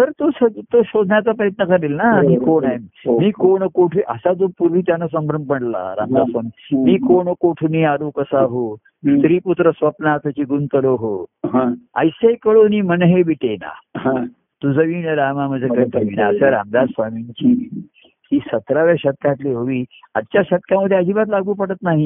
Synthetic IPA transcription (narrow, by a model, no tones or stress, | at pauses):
t̪əɾt̪osət̪oɕod̪ʱnjat͡sapəɾjət̪nəkəɾelnamiːkoɳajomiːkoɳkoʈʰʋiʔə̰sad͡zopuɾʋiːt̪janas̬əmbɾəɳpəɳla̰ɾa̰md̪asʋamiːmiːkoɳkoʈʰuniaɾukəsaɦo | st̪ɾiːput̪ɾəsʋəpnat̪at͡ɕiːɡunt̪əloɦoɦãə̰jsejkəɭoniːmənɦebiʈena̰hã | t̪ud͡zəʋiːnəɾamaməd͡zekənt̪ʰeʋinaəsaɾa̰md̪asʋamiɲt͡ɕiː | hiːsət̪ɾaʋaɕət̪̚kãt̪leɦoʋiː | a̰d̪t͡ɕjaɕət̪̚kjaməd̪ʱːead͡ʑiːbat̪̬laɡuːpəɽət̪naɦi